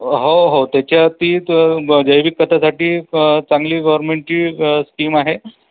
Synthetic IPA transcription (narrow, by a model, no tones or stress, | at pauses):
ɦoɦot̪jat͡ɕjat̪iːd͡ʑəjʋikːət̪ʰasaʈiːt͡saŋɡliːɡəʋəɾnmeɳʈiːskiːmaɦe